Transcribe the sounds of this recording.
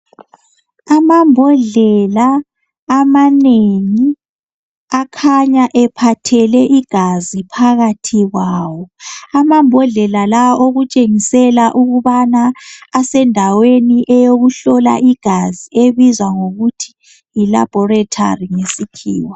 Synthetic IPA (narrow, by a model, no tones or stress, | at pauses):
amambʱɔɮɛlaː | maneŋi | akʰaɲaʔɛpʰatʰɛlɛʔiɡ̥ʱazipʰaɣatʰiɣwaːwɔamambʱɔɮɛlalawaʔoɣut͡ʃʼeŋisɛlaʔuɣuβanaːsɛndʱaweniʔɛjoɣuɬɔla̰ʔiɡ̥ʱazieβizwaŋoɣutʰi̥ː | la̰b̥ʱɔratʰa̰riŋesikʰḭːwa